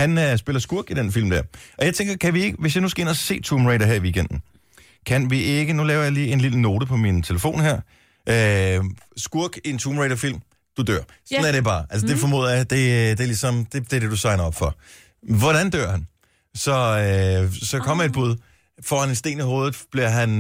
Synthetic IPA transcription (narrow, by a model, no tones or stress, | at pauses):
hænøsb̥e̝lɐsɡ̥uɐɡ̥id̥enfil̰md̥æɐ̰ʔɒ̽jɑɪt͡sʰeŋɡ̥ɐkʰæʋie̝ɡ̥əʋe̝sjɑ̈ɪnusɡ̥ɐe̝nɐse̝̰ːt͡sʰuːmʁeɪɾɐɦeɐ̰iʋiːɡ̥en̰d̥n̩ | kʰænʋiʔe̝ɡ̥ənulɛːʊɐjɑ̈liːe̝nliləno̝ːɾəpʰɒ̽mint͡sʰe̝ləfo̝̰ːnhæɐ̰ | ʔø | sɡ̥uɐɡ̥ie̝nt͡sʰuːmʁeɪɾ̥ɐfil̰m | d̥ud̥øɐ̰ | sɒnæɐɾ̥e̝b̥ɑ̈ːʔælsəd̥e̝fɒ̽mo̝ːðˠjad̥e̝d̥eɐlisɒ̽md̥e̝d̥e̝de̝d̥usɑ̈ɪnɐɒ̽b̥fɒ̽ | ʋɒɾ̥ænd̥øɐ̰hæn | sɒ̽øsɒ̽kʰɒ̽m̰ɐe̝d̚b̥uðˠ | fɒ̰ːænensd̥e̝̰ːniho̝ːð̞̩ˠb̥liɐɦæn